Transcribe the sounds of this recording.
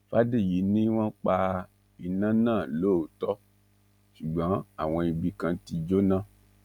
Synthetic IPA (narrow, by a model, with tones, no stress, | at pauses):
fa˦di˦˨ji˨˦nĩ˦w̃ɔ̃˦k͡pa˧ | i˧nã˦nãː˦˨lo˦o˨tɔ˦ | ʃu˨ɡ͡bɔ̃˨˦a˦˨w̃ɔ̃˧i˧bi˧kã˧ti˧d͡ʒo˦nã˦˨